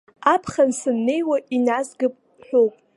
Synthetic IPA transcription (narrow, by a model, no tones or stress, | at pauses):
apʰχansɨnːe̞jwaʔinazɡɨpʼ | ħʷᶣopʼ